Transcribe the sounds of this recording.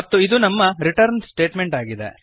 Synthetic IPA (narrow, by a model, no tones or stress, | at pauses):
ɐt̪ːuid̪unɐmːɐɾiʈɐɾnsʈe̞ːʈmeɳʈaːɡid̪ḛ